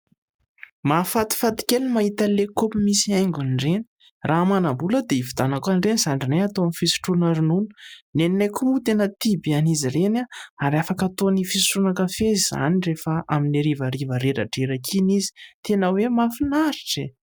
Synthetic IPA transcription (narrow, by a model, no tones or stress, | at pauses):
mafat̪i̥fat̪i̥kʲelimaɦit̪əlekopimisiajŋɡʲanɖ͡ʐeni̥ | rʔamanabuləd̪eivid̪anakanɖ͡ʐeniz̥aɳɖ͡ʐinajat̪oamifisu̥ʈ͡ʂunaɾinunə̥neninajkumut̪enət̪ibianizirenaaɾafakat̪onifisi̥ʈ͡ʂunakəfeziza̰nirefaʔaminiɾivəɾivəɾeɾa̰ɖ͡ʐeɾakʰinizi̥t̪enəwemafinaɾiʈ͡ʂe